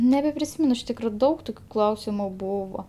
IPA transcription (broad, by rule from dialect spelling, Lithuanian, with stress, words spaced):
nʲɛbʲɛpʲrʲɪˈsʲiːmʲɛn ɪʃ ˈtʲiːkroː ˈdɐʊk ˈtoːkʲʊ ˈklˠɐʊsʲɪmʊ ˈbuːʋoː